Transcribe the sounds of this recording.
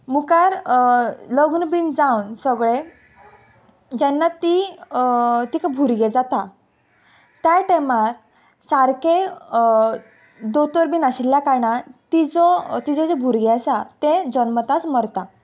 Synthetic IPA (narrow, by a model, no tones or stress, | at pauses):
mukaɾ | ləɡnbind͡zaunsəɡɭe | d͡ʑɛnːat̪i | t̪ikabʱuɾɡed͡zat̪a | t̪jaʈemaɾ | saɾke | d̪ot̪oɾbiːnaɕilːjakaɾɳat̪id͡zɔt̪id͡zɔd͡zebʱuɾɡesat̪ẽd͡ʑənmət̪at͡sməɾt̪a